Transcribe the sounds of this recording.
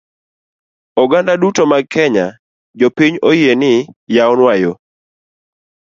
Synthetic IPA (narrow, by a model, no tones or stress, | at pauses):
ɔɡandadutomaɡ̚kɛɲa | d͡ʒopiɲojenɪjaɔnwajo